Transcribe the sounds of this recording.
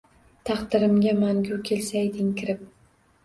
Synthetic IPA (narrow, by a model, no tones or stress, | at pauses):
t̪ʰɑqd̪ɪɾɪmɡʲamaŋɡʲʊkʲʰe̞lsajd̪ɪŋkʲʰɪɾɪp̚